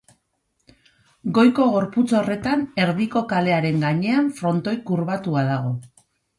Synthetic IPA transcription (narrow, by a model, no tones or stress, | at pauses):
ɡo̞jko̞ɣ̞o̞ɾput͡so̞re̞t̪ane̞ɾðiko̞kale̞aɾe̞ŋɡaɲe̞aɱfɾo̞nt̪o̞jkuɾβat̪uaðaɣ̞o̞